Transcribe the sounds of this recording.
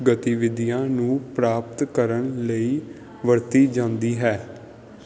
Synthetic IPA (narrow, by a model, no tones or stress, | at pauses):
ɡət̪iʋɪd̪ijãːnũːpɾaːp̚t̪kəɾəɳləiː | ʋəɾt̪iːd͡ʒãːnd̪iːɦɛː